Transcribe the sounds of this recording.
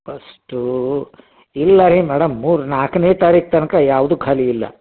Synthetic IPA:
pʰɐsʈu | ilːɐɾimɛːɽɐmːuːɾnaːkneːt̪aːɾiːk̚t̪ɐnɐkɐjaːʋd̪ukʰaːliːlːɐ̰

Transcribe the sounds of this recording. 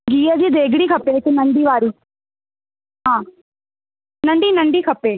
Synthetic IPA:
ɡiːəd͡ʒiːd̪eːɡɽiːkʰɐpeːkɪnəɳɖiːʋaːɾiː | ɦãː | nə̃ɳɖiːnəɳɖiːkʰɐpeː

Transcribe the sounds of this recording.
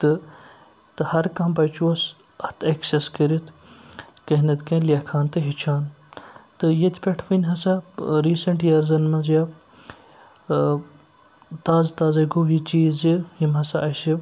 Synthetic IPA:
t̪ɨ | t̪ɨhɐɾkɐmbɐt͡ʃuɐs | ɐht̪ʰekseskəɾit̪ʰ | kɐɦnɐt̪kɐ̃ːlʲɐkʰaːnt̪ɨɦit͡ʃʰaːn | t̪ɨjɐt̪ʲʰpʲeʈʰʋinʲɦɐsaɾiːsɐɳʈjɐɾzɐnmɐnzjaː | t̪aːzt̪aːzɐɡujit͡ʃiːzijimɦɐsaʔɐʃi

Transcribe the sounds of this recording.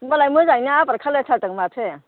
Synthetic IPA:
ŋbalajmɯzajnaapaɾkʰaletʰatɯŋmatʰe

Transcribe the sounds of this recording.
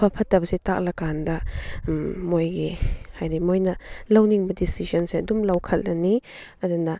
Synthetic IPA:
pʰɐpʰɐtːɐbɐsetak̚lɐkandɐ | mojɡihajdimojnɐlɐwniŋbɐdisizɐnseɐdumlɐwkʰɐl̚ːɐni | ɐdunɐ

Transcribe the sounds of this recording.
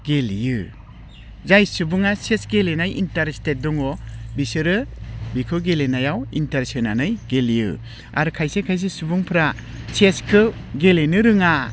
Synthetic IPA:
ɡ̥eljɯ | zajsubuŋasesɡelenajʔintaɾstet̚dɔŋɔbisɯɾɯbikʰɯɡelenajawintaɾsɯna̰nɯjɡeljɯ̰ | a̰ɾɯkʰajsekʰajs̬esubuŋpʰɯɾa | seskʰɯ | ɡelenɯɾɯŋa

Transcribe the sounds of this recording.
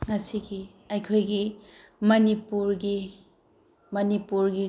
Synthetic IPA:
ŋɐsiɡi | ɐjkʰojɡi | mɐnipuɾɡi | mɐnipuɾɡi

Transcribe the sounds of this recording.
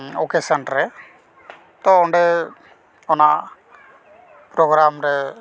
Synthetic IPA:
oːkesɐɳɖɾe | t̪oɔɳɖɨ | ɔnːa | pɾoːɡɾaːmɾɨ

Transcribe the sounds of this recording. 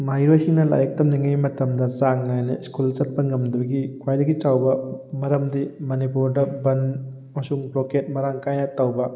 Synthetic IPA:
majɾojsiŋnɐla̰jɐk̚tɐmniŋɐjmɐtɐmdɐsaŋnajnɐ̰iskult͡ʃɐt̚pɐŋɡɐmdɐbɐɡikʰwajdɐɡit͡ʃawbɐmɐɾɐmdimɐnipuɾdɐbɐn | mɐsuŋbloket̚mɐɾaŋkajnɐtɐwbɐ

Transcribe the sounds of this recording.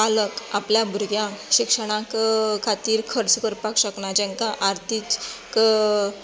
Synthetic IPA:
aləkapljabʱuɾɡjãkɕikʂəɽ̃ãkkʰat̪iːɾkʰəɾt͡səkəɾpakɕəknad͡ʑɛ̃ŋkaʔaɾt̪ʰikk

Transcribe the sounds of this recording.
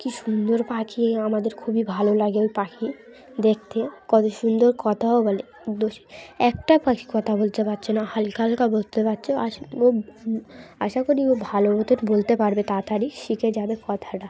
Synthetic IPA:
kiʃund̪oɾpakʰiamad̪eɾkʰubibʱalolaɡeojpakʰi | d̪ek̚ʰt̪ekɔt̪oʃund̪oɾkɔt̪ʰaɦɔbole | d̪oʃi̥ɛk̚ʈapaki̥kɔt̪ʰabolt̪epatːɕʰonahalkalkabolt̪epatːɕʰoaʃo | aʃakoɾiobʱalobot̪oɾbolt̪epaɾbet̪at̪aɾikʃikʰed͡ʑabekɔt̪ʰaʈa

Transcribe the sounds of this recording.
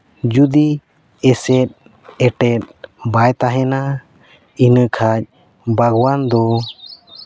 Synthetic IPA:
d͡ʒud̪i | ɛsɛt̪̚ˀ | ɛʈɛt̪̚bajt̪aɦɛna | inəkʰac̚ | baɡwand̪ɔ

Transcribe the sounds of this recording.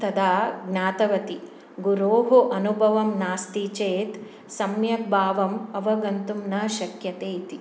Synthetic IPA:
t̪ɐd̪aːɡnaːt̪ɐʋɐt̪i | ɡuɾoːɦoʔɐnubʱɐʋɐmnaːst̪it͡ʃeːt̪ | sɐmjɐk̚bʱaːʋɐmɐʋɐɡɐnt̪umnɐʃɐkjɐt̪eːit̪i

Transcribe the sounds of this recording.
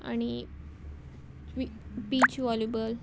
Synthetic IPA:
a̰ñi | ʋipit͡ɕʋɔljubəl

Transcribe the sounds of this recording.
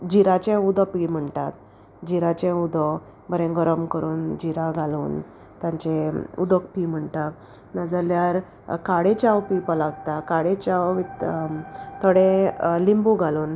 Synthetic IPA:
d͡ʑiɾãt͡ɕẽud̪ɔpim̤əɳt̪at̪ | d͡ʑiɾat͡ɕẽud̪ɔ | bəɾẽɡəɾəmkəɾuːnd͡ʑiɾaɡʱaluːn | t̪jãɲt͡ɕeṵd̪əkpim̤əɳt̪a | nad͡zaljaɾ | kaɽet͡ɕawpipəlaɡt̪akaɽet͡ɕawʋit̪ | t̪ʰəɽẽlimbuɡʱaluːn

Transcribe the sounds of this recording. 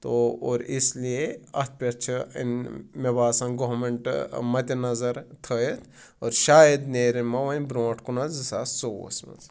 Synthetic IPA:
t̪ooːɾislieɐt̪̚ʰpʲɐt͡ʃʰɐḭnmebaːsɐ̃nɡoʋmeɳʈmɐt̪ʲɐnɐzɐɾt̪ʰəjet̪ʰ | oːɾʃaːjɐd̪neːɾemɐʋɐnʲbɾõːʈʰkunɐzɐsaːso̰ːsmɐ̰z

